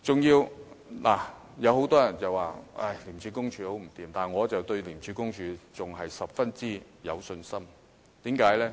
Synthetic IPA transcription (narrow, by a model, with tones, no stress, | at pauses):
t͡sʊ˨ŋjiː˧w | laː˨˩ | jɐ˨˧who˨˥wt̪ɔː˥jɐ˨˩nt͡sɐ˨waː˨ʔa̰˥˩jliː˨˩mt͡ʃʰy˨˧˥kʊ˥ŋt͡ʃʰyː˨˧ho˨˥wm̩˨˩t̪iː˨mt̪aː˨nŋɔː˨˧t͡sɐ˨wt̪ɵ˧ɥliː˨˩mt͡ʃʰy˨˧˥kʊ˥ŋt͡ʃʰyː˨˧t͡sʊ˨ŋɦɐ˨jsɐ˨p̚fɐ˥nt͡siː˥ | jɐ˨˧wsɵ˧nsɐ˥m | t̪iː˨˥mkaː˨˥jlɛː˥